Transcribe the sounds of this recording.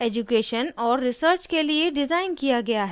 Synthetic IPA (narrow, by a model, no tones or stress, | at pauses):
eːd͡ʒukeːʃənɔːɾːɪsəɾt͡ʃkelieɖɪzaːɪnkijaɡɐjaɦɛ